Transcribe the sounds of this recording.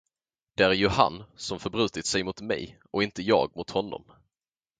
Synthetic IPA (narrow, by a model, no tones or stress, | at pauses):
d̪̥ɛæɾjɵha̰nːsɔmfœɾbɾʉ̟ːt̪ɪt̪sɛjmʊt̪mɛ̰jʔɔɪnt̪əjɑ̰ːɡ̚mʊt̪hɔnːɔ̰m